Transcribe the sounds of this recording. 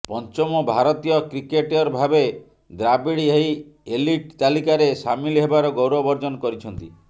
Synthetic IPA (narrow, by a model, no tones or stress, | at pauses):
pɔnt͡ʃɔmɔbʱaɾɔt̪ijɔkɾikeʈɔɾɔbʱabe | d̪ɾabiɽiɦejeliʈt̪alikaɾesamiliɦebaɾɔɡowɾɔbɔɾd͡ʒɔnɔkɔɾit͡ʃʰɔnt̪i